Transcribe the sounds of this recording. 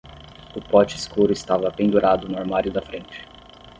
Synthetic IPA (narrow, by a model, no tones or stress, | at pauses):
ʊpɔt͡ʃɪɪskuɾʊɪst̪avɐpẽñd̪uɾʔad̪ʊnʊaɾmaɾjʊd̪ɐfɾẽnt͡ʃɪ̥